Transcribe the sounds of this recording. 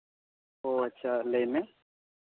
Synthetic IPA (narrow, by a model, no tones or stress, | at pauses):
oɐtːʃʰalemẽ